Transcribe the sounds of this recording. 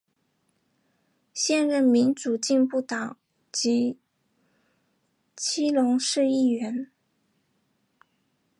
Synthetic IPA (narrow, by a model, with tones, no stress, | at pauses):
ɕjɛ˥˧nɻə˥˩nmi˧˥nʈ͡ʂu˨˩t͡ɕi˥˧npu˥˩t̪ɑ˨˩˦ŋ | t͡ɕi˧˥ | t͡ɕʰi˥lʊ˧˥ŋʂɻ̩˥˧i˥˩ɥɛ˧˥n